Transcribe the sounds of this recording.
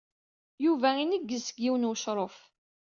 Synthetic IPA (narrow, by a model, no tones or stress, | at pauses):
juvæinəɡːəsəɡːiwənwəʃɾˤof